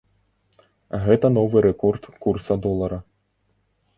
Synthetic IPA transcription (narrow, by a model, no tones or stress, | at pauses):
ɐɣɛt̪ɐnɔvɨɾɛkɔrt̪kursɐd̪ɔlˠɐɾɐ